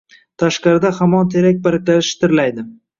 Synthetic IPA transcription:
t̪ʰaʃqɑɾɪd̪ahamɒnt̪ʰeɾak̚ʲbaɾɪkʲlaɪʃt̪ʰɪɾlajd̪ɪ

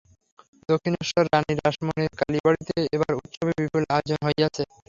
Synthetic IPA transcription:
d̪okʰːinoʃɔɾːaniɾaʃmoneɾkalibaɽit̪eebaɾut̪ːʃobʱibipulad͡ʑonɦoejat͡ɕʰe

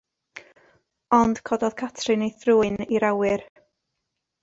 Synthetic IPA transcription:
ɔnd̥kʰɔdɔð̥kʰatʰrɨnejθruːɨniɾawɨr

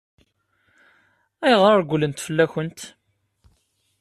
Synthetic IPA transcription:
æjʁɾəɾɡʷlənt̪fəlːæçənt̪

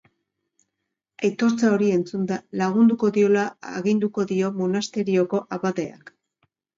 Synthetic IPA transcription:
ajt̪o̞ɾt͡sao̞ɾie̞nt͡sund̪alaɣ̞und̪uko̞ðio̞la̰ɣind̪uko̞ðio̞monast̪e̞ɾio̞ko̞ʔaβaðe̞a̰k

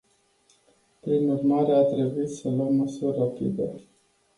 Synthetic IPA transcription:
pɾinurmaɾeat̪ɾe̞buit̪səlwəmːəsurʲːapḭd̪e

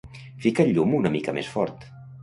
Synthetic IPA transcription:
fikəʎːumunəmikəmḛsfɔɾt̪

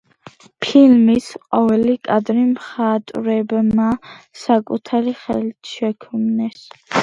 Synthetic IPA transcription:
pʰilmisqʼɔvɛlikʼad̪ɾimχat̪ʼɾɛbmasakʼut̪ʰaɾiχɛlt̪ʰʃɛkʰmnɛs

